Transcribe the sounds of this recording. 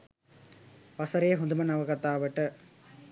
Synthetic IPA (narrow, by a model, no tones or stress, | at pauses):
pɐsɐɾeːɦɔnd̪ɯmɐnɐʋɐɣɐt̪ːaːʋɐʈːɯ